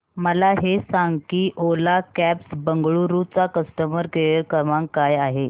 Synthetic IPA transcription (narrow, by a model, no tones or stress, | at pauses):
məlaɦesaŋɡkiːʔolakæpsbəŋɡɭuɾut͡sakəsʈ̪əməɾkeeɾkəmãŋkːajaɦe